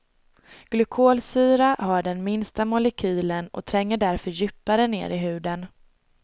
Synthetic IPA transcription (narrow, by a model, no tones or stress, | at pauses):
ɡ̥lɵkʰoːlsyːɾaɦaɖɛnmɪnst̪amʊlɛkʰyːlənɔ̰t̪ʰɾɛŋːəɖæɾfœɾjʏpːaɾənḛːɾɪɦʉ̟ːd̪ən